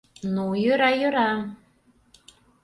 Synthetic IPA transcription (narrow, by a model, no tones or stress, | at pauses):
nujøɾɑjøɾɑ